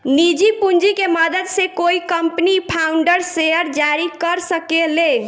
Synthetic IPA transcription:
nid͡ʒipund͡ʒikeməd̪əd̪sekoikəmpnipʰauɳɖəɾsejəɾd͡ʒaɾikəɾsəkele

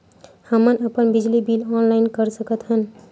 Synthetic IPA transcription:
həmənəpənbid͡ʒlibilɔnlaɪnkəɾsəkət̪ɦən

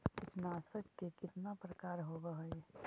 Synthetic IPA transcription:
kɪt̪naːsəkkekɪt̪napɾɐkaːɾɦoːbəɦo

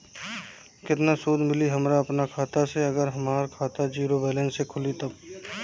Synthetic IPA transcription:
kɪt̪nasuːd̪mɪliɦɐmɾaɐpnakʰaːt̪aseɐɡəɾɦɐmaːɾkʰaːt̪ad͡ʒiːɾobɛːlɛ̃nsekʰʊlit̪ɐb

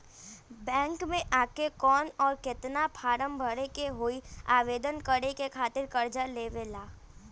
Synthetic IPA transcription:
bɛ̃ːŋkmẽʔaːkekɔːnɔːɾkɪt̪napʰaːɾəmbʱəɽekeɦoːiaːʋeːd̪ənkəɽekekʰaːt̪ɪɾkɐɾd͡ʒaleːʋelaː

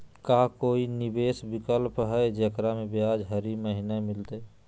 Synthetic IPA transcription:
kakoːinibeːsbɪkəlpɦəed͡ʒəkɾamebead͡ʒɦəɾiməɦinamɪlt̪e

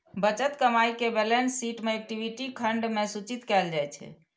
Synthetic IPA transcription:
bət͡ʃət̪kəmaikebelensːiʈmeek̚ʈibʱiʈikʰəɳɖmesut͡ʃit̪kɛld͡ʒajt͡ʃʰɛ̰

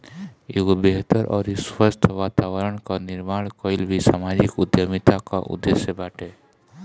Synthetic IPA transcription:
eɡobeɦt̪əɾʔɔ̰ːɾiswəst̪ʰʋat̪awəɾəɽkaniɾmaɽkɔilbʱisamad͡ʒikud̪jəmit̪akaʔṵd̪ːesjebaʈe

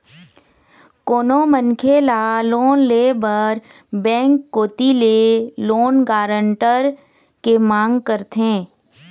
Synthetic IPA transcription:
koːnomənkʰelaloːnleːbəɾ | bɛ̃ːŋkːoːt̪ileloːnɡaːɾəɳʈəɾ | kemãːŋɡkəɾt̪ẽː

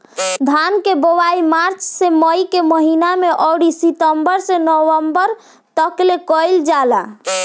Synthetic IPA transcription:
d̪ʱankebowaimaɾt͡ʃseməjkeməɦinameʔɔwɽisit̪əmbəɾsenəwəmbəɾ | t̪əklekɔjld͡ʒala̰

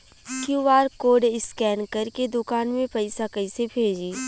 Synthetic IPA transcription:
kjuʋaːɾkoːɖɪskɛːnkɐɾked̪ʊkaːnmẽpɐɪsakɐɪsebʱeːd͡ʒiː

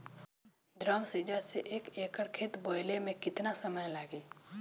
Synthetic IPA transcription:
d̪ɾaːmsed͡ʒaːseʔeːkeːkəɽkʰeːt̪boːɪlemẽkɪt̪nasəməjlaːɡiː

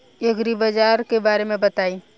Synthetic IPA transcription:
ekɾibɐd͡ʒaːɾkebaːɾemẽbɐt̪aːiː

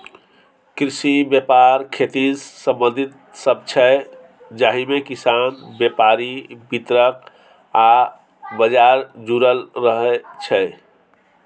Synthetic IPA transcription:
kɾisibjepaɾkʰet̪isə̃mbə̃nd̪ʱit̪̚ | səb̚t͡ʃʰɛ | d͡ʒaɦimekisanbjepaɾibit̪ɾək̚ | a | bəd͡ʒaɾd͡ʒuɾəlɾəɦɛt͡ʃʰɛ

